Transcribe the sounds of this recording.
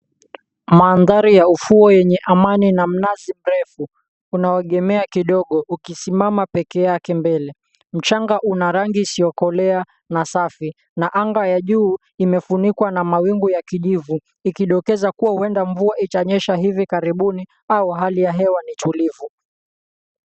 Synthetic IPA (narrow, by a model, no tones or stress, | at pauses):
maːnðaɾijaufuɔjɛɲɛʔamaninam̩nazim̩ɾɛfuː | naɛɠɛmɛakiɗɔɠɔukisimamapɛkɛjakɛmbɛlɛ | m̩t͡ʃaŋɡaʔunaɾaŋɡisiɔkɔlɛa | nasafi | naʔaŋɡajaʄuː | imɛfunikwanamawiŋɡujakiʄivu | ikiɗɔkɛzakuwahuɛndaɱvuaʔit͡ʃaɲɛʃaɦivikaɾiɓuni | auɦalijaɦɛwanitulivu